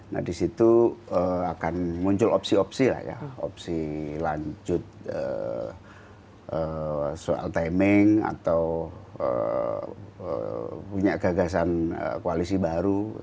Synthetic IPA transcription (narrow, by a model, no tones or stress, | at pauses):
na̰disit̪uəakanmuɲt͡ʃʊlopsiopsila̰hja̰o̰p̚silaɲd͡ʒʊt̪̚ə̰ | əsoa̰lt̪ajmɪŋa̰t̪awə̰ | ə̰puɲaʔɡ̥aɡas̬anə̰koalisibaɾu